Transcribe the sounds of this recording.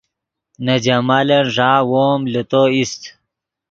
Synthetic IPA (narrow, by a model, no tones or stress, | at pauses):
nɐd͡ʑɐmaːlɐnʐaːwoːmlut̪oist̪